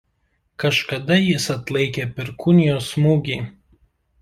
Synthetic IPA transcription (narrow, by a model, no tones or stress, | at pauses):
kɐʃkɐd̪ɐjɪsɐt̪lˠɐɪkʲeːpʲɪɾkʊnʲɪjoːsmuːɡʲiː